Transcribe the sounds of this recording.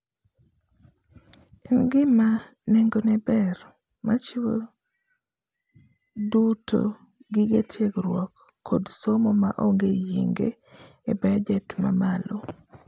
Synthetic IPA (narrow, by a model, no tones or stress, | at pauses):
ɛnɡɪma | nɛŋɡonɛbɛr | mat͡ʃiwo | duto̰ | ɡɪɡetʰjeɡɾwɔkː | odsomɔmaʔoŋɡejḛŋɡḛ | ebɛd͡ʒɛtma̰malo